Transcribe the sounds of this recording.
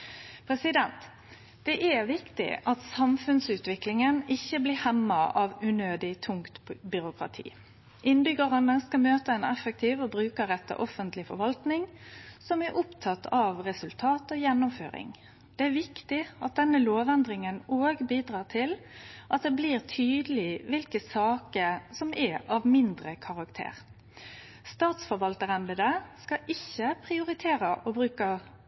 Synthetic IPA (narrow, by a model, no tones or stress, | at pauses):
pʰɾɛsɪd̪ɛnt̪ | d̪̥ɛʔɛʋɪkt̪ɪ̰ʔɑt̪sɑmfʉnsʉːt̪ʋɪklɪŋənɪçːəblɪːhɛmːɑɑʋʉnøːd̪ɪt̪ʰʊŋkt̪bʏɾʊkʁɑ̰t̪ʰḭː | ʔɪnbʏɡɑʁənəskɑlmøːt̪əɛnɛfək̚t̪ʰiːʋɔbɾʉːkəɾɛt̪ːə̰ɾʔɔfənt̪lɪfɔ̰ɾʋɑlt̪nɪŋsɔmæɾʔʊpt̪ʰɑt̪ʰːɑʋʁɛsʉlt̪ʰɑːt̪oːjɛnːʊmfø̰ːɾɪ̰ŋ | d̪̥ɛæɾʋɪkt̪ɪɑt̪̚d̪ɛnːəloːʋɛnd̪ɾɪŋənoːɡbiːd̪ɾɑːt̪ʰɪlʔɑt̪̚d̪ɛbliːʁt̪ʰyːd̪əlɪʋɪlkəsɑːkəsɔmʔɛɑʋmɪnd̪ɾəkʰɑʁɑkt̪ʰḛːʁ | st̪ɑːt̪sfɔɾʋɑlt̪əɾɛnd̪əd̪əskɑʔɪçːəpʰʁɪʊɾɪt̪ʰeːɾəʔɔbɾʉːkə